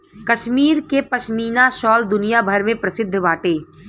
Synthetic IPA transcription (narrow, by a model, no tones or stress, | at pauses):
kɐʃmiːɾkepɐʃmiːnaʃɔːld̪ʊnijabʱɐɾmẽpɾɐsɪd̪ʱːbaːʈeː